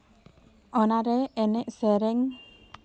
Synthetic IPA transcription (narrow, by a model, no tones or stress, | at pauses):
ɔnaɾɛɛnɛʔsɛɾɛŋ